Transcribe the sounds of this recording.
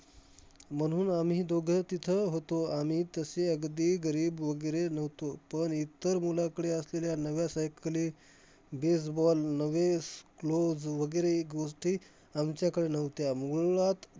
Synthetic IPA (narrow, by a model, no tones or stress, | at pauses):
m̤əɽ̃uːnamid̪oɡʱət̪it̪ʰəɦot̪oam̤iːt̪əseəɡd̪iːɡəɾiːbʋəɡəjɾenəʋt̪opəɳit̪ːəɾmulakəɽeəsleljanəʋjasajkliː | bes̬bɔlnəʋesklod͡zʋəɡəjɾeːkɡoʂʈiː | amt͡ɕjakəɽenəʋt̪jamuɭat̪